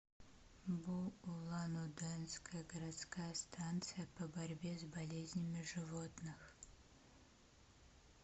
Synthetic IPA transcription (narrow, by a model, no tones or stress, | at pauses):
buulˠanud̪ɛnskəjəɡəɾat̪skajəst̪ʰant̪sɨjəpəbɐɾʲbʲezbɐlʲezʲnʲɪmʲɪʐɨvot̪nɨx